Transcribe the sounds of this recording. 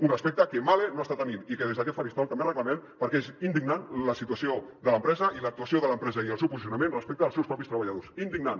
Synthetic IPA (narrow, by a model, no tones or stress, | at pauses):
unrəspɛk̚t̪əkemalenoast̪at̪ənit̪ikeðezðəkɛt̪faɾist̪ɔlt̪əmberəkləmɛmpəɾkɛezind̪iɡnanləsit̪uasiod̪ələmpɾɛzəilək̚t̪uasioðələmpɾɛzəiəlˠsɛwpuzis̬iunəmẽnrəspɛk̚t̪əːlˠsɛwspɾɔpist̪ɾəβaʎaðosind̪iɡnan